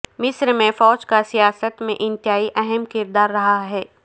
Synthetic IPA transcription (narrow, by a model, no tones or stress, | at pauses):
mɪsɾmẽfɔːt͡ʃkasijaːsət̪mẽʔɪ̃nt̪ɪɦaːiʔɛɦɛmkɪɾd̪aːɾːɐɦaɦɛː